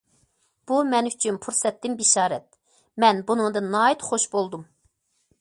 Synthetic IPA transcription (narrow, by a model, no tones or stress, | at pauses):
b̥umɛnyt͡ʃʰynpʰuɾsɛt̪ːɪmbiʃɑːɾɛt̪̚ | mɛnbunuŋd̪ɑnɑːit̪χoʃbolˠd̪um